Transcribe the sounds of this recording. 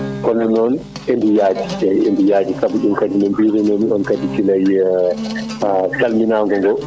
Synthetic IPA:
kɔnɔnɔn | ʔɛndijaːd͡ʒi̥ajɛndijaːd͡ʒikabuɗumkad͡ʒinɔmbiɾɛnɔniɔnkaditilaj | talminaːŋɡɔŋɡɔ

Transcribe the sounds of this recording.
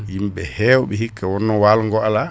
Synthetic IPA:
jimbɛhɛːwɔɓɛhikːawɔnːɔwalŋɡɔala

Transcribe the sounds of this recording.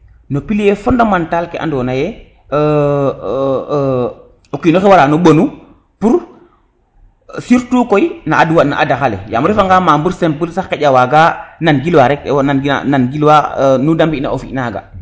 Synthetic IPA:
nopiljefondamantalkɛʔa̰ndɔːnajɛ | okinoxewaɾaːnuɓonu | puɾ | siɾtukojinaːduwana̰ʔadaxalḛjamuɾifaŋɡaːmambuɾsempuɾsaxkeɟawaɡananɡilwaɾɛknan̰nanɡilwanudambina̰ofḭʔnaɡa̰

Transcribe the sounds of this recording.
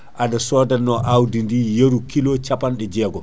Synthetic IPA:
ʔadasɔdanːɔʔawdindijeɾukilɔt͡ʃapanɗɛd͡ʒɛːɡɔ

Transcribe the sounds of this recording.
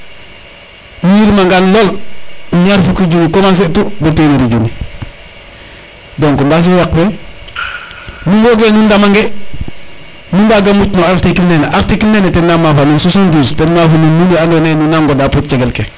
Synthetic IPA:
nujiɾmaŋɡanloluɲaɾfukiɟunikomans̬etubuteniɾiɟuni | doŋkumbas̬iwekfe | nuwoɡenundamaŋɡe | nundaɡamut͡ʃnoaɾtikilneneʔaɾtikilnenetenːamafanunsusonduːstenmafunununbiandonenunaŋɡodaputt͡ʃeɡelke

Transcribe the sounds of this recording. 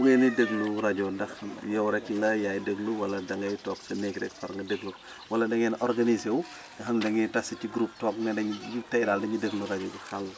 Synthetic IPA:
buɡɛnidəɡluɾɐɟɔndɐxjɛwɾɛkːlɐjaːjdəɡluwɐlɐdɐŋɐjtɔːksɐnɛɡɾɛ̰kfɐɾŋɡɐdəɡlu | wɐlɐndɐŋɛnʔɔɾɡɐnisɛw | ɡɐxɐmdɐŋitasiciɡɾup̚tɔːk̚ŋɐdɐitɛjdaːldɐɲidəɡluɾaɟɔɡixɐl

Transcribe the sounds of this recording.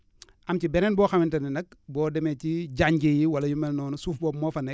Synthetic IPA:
ʔɐmcibɛnɛnbɔːxɐmɪntɐninɐk̚bɔːdɛmeciɟaɲɟijiwɐlɐjumɛlnɔːnusuːfbɔːmɔːfɐnɛ

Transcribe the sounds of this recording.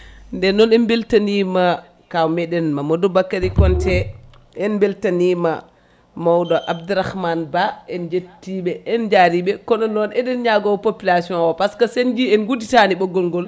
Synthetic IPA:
ndɛnɔnɛnbeltanima | kawmɛɗɛnmamodɔbakːaɾikɔntɛ | ɛnbeltanima̰ | mawdɔʔabduɾahmanbaɛnd͡ʒetːiɓɛɛnd͡ʒaɾiɓɛkɔnɔnːɔnɛɗɛnɲaɡɔwpopilasiɔ̃nwɔpaskasend͡ʒiɛnɡuditaniɓɔɡːɔlŋɡɔl

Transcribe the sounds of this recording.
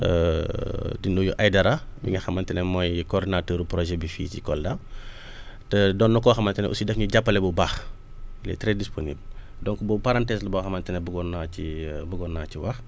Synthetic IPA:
ə̰ | dinujuʔajdɐɾɐbḭŋɡɐxɐmːɐntɛnɛmɔjkɔːrdinatəːɾuprɔʒɛbifḭːcikɔldɐ | tɛdɔnːukɔːxɐmɐntɛnɛʔṵsidɛkɲuɟapːɐlɛbubaːx | ilɛ̰tɾɛdisponḭbl | dɔŋkbupaɾantɛːslɐbɔxɐmɐntɛnɛbuɡɔnaibuɡɔnːaːciwɐx

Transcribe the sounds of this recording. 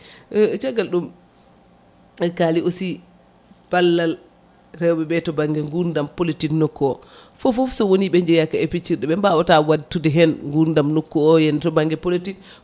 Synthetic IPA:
t͡ʃɛɡalɗum | kaliʔosi | b̥alːal | rɛwbɛbɛtɔbaŋɡɛŋɡuɾndampolitiknokːɔɔ | fofofsɔwoniɓɛɲd͡ʒɛjakːaɛfit͡ʃːiɾɗɛɓɛmbaɔtawadtːudɛɦɛnŋɡuɾndamnokːuɔjɛntɔbaŋɡɛpolitik

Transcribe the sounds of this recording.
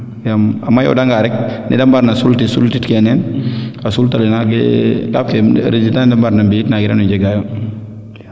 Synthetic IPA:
jamamajɔ̰daŋɡaɾɛk̚nḭdambaɾnasultisultitkɛnɛnasultalinaɡɛkaf̚kɛɾizitandambaɾnambitnaɡɪɾa̰nud͡ʒɛɡajo

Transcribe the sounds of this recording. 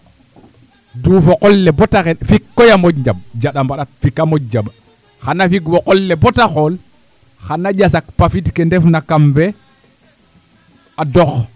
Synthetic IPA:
dufokolːɛbotaxefikːojamoɟɲd͡ʒab̚d͡ʒaɗambaɗat̚fikamoɟ̚d͡ʒab | xanafikwɔkɔlːebotaxol | xanaɟas̬akpafitkendɛfnakamve | adɔx

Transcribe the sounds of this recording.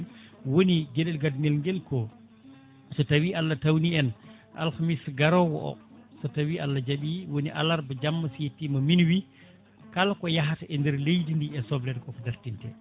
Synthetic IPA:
nwoniɡɛɗɛlɡadŋɛlŋɡɛlkɔ | sɔtawialːatawniɛn | ʔa̰lxamisɡaɾɔwɔ̰ʔɔ̰ | sɔtawiʔalːad͡ʒaɓiwoniʔa̰laɾbad͡ʒamːasjetːimaminwi | kalakɔjaɦataʔɛndɛɾlejdindiɛsɔblɛdkɔfdaɾtintɛ̰

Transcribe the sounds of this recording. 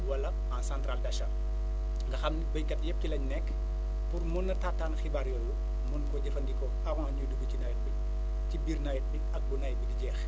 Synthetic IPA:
wɐlːɐ | ansãːntɾaːldɐʃɐ | ŋɡɐxɐmnibɐjkɐtjɛp̚tilɐɲnɛkː | purmɔnːɐtaːtːaːnxibaɾjɔːlu | mɔnkɔɟɛfɐndikɔ | ɐɣɔnɲudubicinɐjt̚bi | cibiːrnajt̚biɐk̚bunɐj̚bidiɟɛːx

